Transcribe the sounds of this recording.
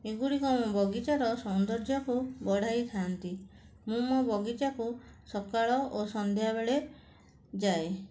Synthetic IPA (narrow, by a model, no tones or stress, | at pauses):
eɡuɽikɔmɔ̃bɔɡit͡ʃaɾɔsɔnd̪ɔɾd͡ʒɔkubɔɽ̤ʱajt̪ʰant̪i | mũmɔbɔɡit͡ʃakusɔkaɭɔosɔnd̪ʱjabeɭe | d͡ʒae